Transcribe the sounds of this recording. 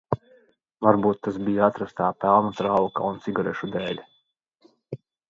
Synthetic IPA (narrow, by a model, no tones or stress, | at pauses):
vaɾbuːt̪ːasbijat̪ɾast̪aːpɛlˠnat̪ɾawkaunt̪siɡaɾɛʃud̪ɛːlʲ